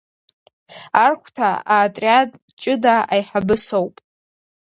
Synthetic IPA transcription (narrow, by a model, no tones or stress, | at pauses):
arχʷtʰaaːtʼrʲjadʼ | t͡ʃʼɪdaajħabɨsowpʼ